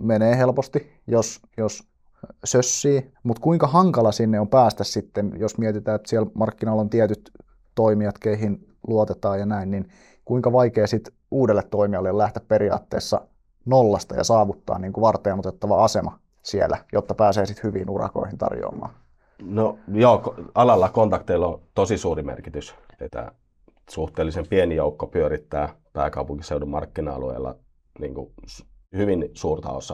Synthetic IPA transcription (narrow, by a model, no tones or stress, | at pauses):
meneːhelpost̪i | jos | jos | søsːiːmut̪kuiŋkɑhɑŋkɑlɑsinːeompæːst̪æssit̪ːenjosmiɛt̪it̪æːet̪siælmɑrkːinɑlːont̪iɛt̪yt̪ | toimiɑt̪keiɦin | luot̪et̪ɑːjɑnæinnin | kuiŋkɑʋɑikeːsit̪ | uːdelːet̪tːoimiɑlːeolæht̪æppeɾiɑ̰ːt̪ːeːsːɑ̰ | nolːɑst̪ɑ̰jɑ̰sɑːʋut̪ːɑ̰ːniːŋkuʋɑrt̪ˑeːnot̪et̪ːɑʋɑɑsemɑ | sielːæ̰jot̪ːɑpæːseːsit̪hyʋḭːnurɑ̰ko̞̰ihint̪ɑ̰rjo̰ːmɑ̰ː | nojoːkɑlɑlːɑkont̪ɑkt̪elːot̪osisuːrimḛrkit̪ys | et̪ːæ̰ | suht̪eːlːisempienijoukːopyøɾit̪ːæː | pæːkɑupuŋkiseudumɑ̰rkːinɑɑ̰luḛˑːlːɑ̰ | niːŋkṵhyʋinsuːrt̪ɑ̰o̰sːɑ